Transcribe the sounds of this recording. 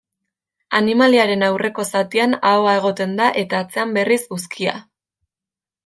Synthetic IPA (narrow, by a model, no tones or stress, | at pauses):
animaliaɾe̞nawrʔe̞ko̞sat̪ianaoae̞ɣ̞o̞t̪e̞nd̪aʔe̞t̪aːt͡se̞ambe̞risuskʰia̰